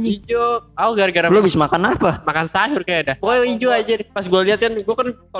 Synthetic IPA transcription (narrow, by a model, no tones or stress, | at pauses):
d͡ʒid͡ʒoauɡaɾɡaɾalobisamakanapamakansaɦʊrkajadapojid͡ʒoad͡ʒadpas̬ɡualiɦat̪̚kanɡuakanka